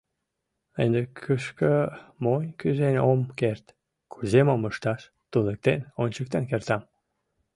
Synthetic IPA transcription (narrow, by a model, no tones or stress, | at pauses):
end̪ekʰyʃkəmonʲkyzenʲomkert̪ | kʰuzemoməʃt̪ɑʃ | t̪unek̚t̪enonʲt͡ɕək̚t̪enkert̪ɑm